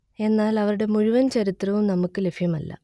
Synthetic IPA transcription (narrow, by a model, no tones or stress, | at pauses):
e̞nːaːlɐʋɐɾuɽe̞muɻuʋɐnt͡ɕɐɾit̪rɐʋumnɐmukːɨle̞bʱjɐmɐlːɐ̰